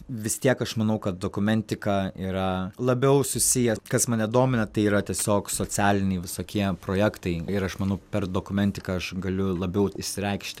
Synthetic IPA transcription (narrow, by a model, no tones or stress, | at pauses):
ʋʲɪst̪ʲiɛkɐʃmɐnɐʊkɐt̪̚d̪oːkʊmʲɛnʲt̪ʲɪkɑiːɾɐlˠɐbʲɛʊsʊsʲɪjɛkɐsmɐnʲɛd̪oːmʲɪnɐt̪ɐɪiːɾɐt̪ʲiɛsʲoːksoːt͡s̪ʲæːlʲɪnʲɛɪʋʲɪsoːkʲiɛpɾoːjækt̪ɐɪɪɾɐʃmɐnɐʊpʲɛrd̪oːkʊmʲɛnʲt̪ʲɪkɐɐʃɡɐlʲʊlˠɐbʲɛʊɪʃʲsʲɪɾʲɛɪkʃʲt̪ʲ